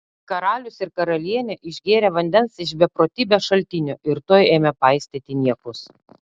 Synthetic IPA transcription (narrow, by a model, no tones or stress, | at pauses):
kɐɾɑːlʲʊsɪɾkɐɾɐlʲiɛnʲɛʔɪʒʲɡʲeːɾʲɛʋɐnʲd̪ʲɛnsɪʃbʲɛpɾoːt̪ʲiːbʲɛʃɐlʲt̪ʲɪnʲoːʔɪɾt̪oːjeːmʲɛpɑˑɪsʲt̪ʲet̪ʲɪnʲiɛkʊs